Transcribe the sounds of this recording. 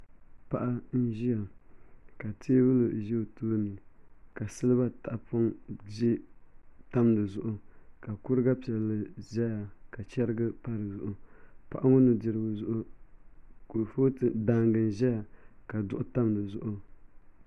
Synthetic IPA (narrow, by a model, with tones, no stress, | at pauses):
pa˦ʔa˦n̩˦ʒi˦ja˨ | ka˨tʰeː˦wu˦lɨ˨ʒi˦˨toː˦nɨ˨ka˨sɨ˦lɨ˦βa˦ta˨ʔpo˦ŋd͡ʒe˦ | ta˦mdɨ˨zʊ˨ʔʊ˦ka˨kʊ˦ɾɨ˦ɡa˦pi˨ɛ˨lːɨ˨ʒɛ˦ja˨ka˨t͡ʃɛ˦ɾɨ˦ɡɨ˦pa˦ɾɨ˨zʊ˨ʔʊ˦pa̰˨ʔa˦ŋʊ˦nɨ˨dɪ˨ɾɨ˨ɡʊ˨zʊ˦ʔʊ˦ | ku˨foː˦tɨ˨da˦ŋɡɨ˨n˨ʒɛ˦ja˨ka˨dʊ˦ʔʊ˦ta˦mdɨ˨zʊ˨ʔʊ˦